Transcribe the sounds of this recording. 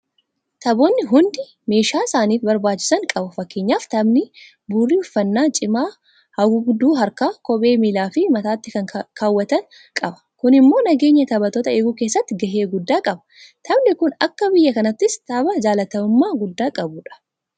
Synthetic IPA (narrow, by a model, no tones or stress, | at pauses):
t̪ɐboːnːɪɦʊnd̪ɪ | me̞ːʃaːɪsaːniːfbɐɾbaːt͡ʃːɪ̥sɐŋkʼɐbʊfɐkːe̞ːɲːaːft̪ɐbnɪ | buːrːiʊfːɐnːaːt͡ʃʼɪmaː | hɐɡʊɡʊd̪ːuːɦɐɾkaːkɔbeːmiːlaːfɪmɐt̪aːt̪ːɪkɐŋkʰaːwːɐt̪ɐn | kʼɐbɐ̥kʊnɪmːo̞ːnɐɡe̞ːɲːɐt̪ɐbɐt̪ɔːt̪ɐeːɡuːke̞ːsːɐt̪ːɪɡɐɦeːɡʊd̪ːaːkʼɐbɐ̥ | t̪ʰɐbnɪkʊnɐkːɐbɪjːɐkɐnɐt̪ːɪst̪ɐbɐd͡ʒaːlɐt̪ɐmʊmːaːɡʊd̪ːaːkʼɐbʊᶑɐ̥